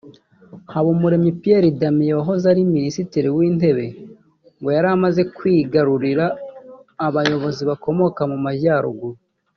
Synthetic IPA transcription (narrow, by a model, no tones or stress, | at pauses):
haβomuɾe̞mipije̞ɾidamijewaɦo̞zaɾiminisitiɾiwiːnde̞βe̞ | ŋɡo̞jaɾamaze̞kwiːɡaɾuɾiɾaː | βajo̞βo̞ziβako̞mo̞kamumaɟaːɾṵɡuɾi